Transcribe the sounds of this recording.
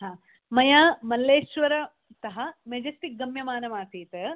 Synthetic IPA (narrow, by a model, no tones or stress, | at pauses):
ɦaː | mɐjaːmɐlːeːʃʋɐɾɐ | t̪ɐɦɐmed͡ʒɐsʈik̚ɡɐmjɐmaːnɐmaːt̪iːt̪e